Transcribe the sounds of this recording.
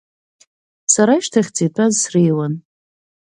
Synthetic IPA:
saɾaiʃtʰaχʲt͡sitʰʼazsrijwan

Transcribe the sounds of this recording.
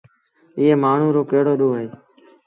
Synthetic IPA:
ɪːeːmaːɳ̤ũːɾoːkeːɽoːɗoːɦeː

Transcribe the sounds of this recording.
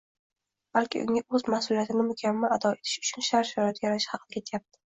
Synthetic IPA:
b̥alkʲɪ̰ʊ̰ŋʲaɵzmahsʊlijat̪ʰɪnɪmʊkʲʰamːalad̪ɒe̞t̪ʰɪ̥ʃʊ̥t͡ʃʰʊnʃaɾʃɾat̪ʰajaɾaʃɪ̥hɑqʰɨd̪akʲʰet̪ʰjap̚t̪ʰɪ̥

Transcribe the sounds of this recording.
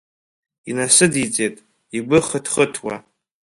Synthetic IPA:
inasɨdit͡sʼetʼ | iɡʷɨχətʰχətʰwa̰

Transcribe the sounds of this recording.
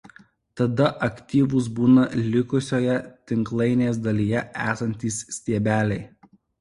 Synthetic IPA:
t̪ɐd̪ɐʔɐkʲt̪ʲiːʋʊs̬buːnɐlʲɪkʊsʲoːjɛt̪ʲɪŋklˠɐɪnʲeːs̬d̪ɐlʲijɛæːsɐnʲt̪ʲiːsːʲt̪ʲiɛbʲæːlʲɛɪ

